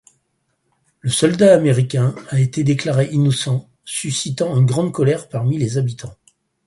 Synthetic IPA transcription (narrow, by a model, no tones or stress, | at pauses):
ləsɔld̪aːmeʁikʲɛ̃aet̪ed̪eklaʁeʔinɔsɑ̃ | sysit̪ɑ̃ynɡʁɑ̃d̪kɔlɛʁpaʁmilezabit̪ʰɑ̃